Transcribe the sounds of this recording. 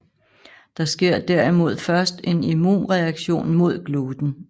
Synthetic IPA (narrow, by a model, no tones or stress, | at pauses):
d̥ɑ̈sɡ̥e̝ɐ̰d̥æɐ̰imo̝ð̞̰ˠfɶɐsd̥e̝nimṵːnʁɛæɡ̥ɕo̝̰ːnmo̝ð̞̰ˠɡ̥luːd̥n̩